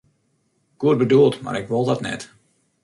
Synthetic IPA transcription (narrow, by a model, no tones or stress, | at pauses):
ɡ̥uət̚bədulˠtma̰rɪkʋolˠdɑtnɛ̰t